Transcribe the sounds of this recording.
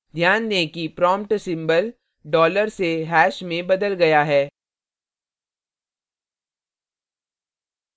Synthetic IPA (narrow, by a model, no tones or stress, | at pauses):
d̪ʱjaːnːekipɾɔ̃ːmpʈsɪ̃mbəl | ɖɔːləɾseɦɛːʃmẽbɐd̪əlɡɐjaɦɛː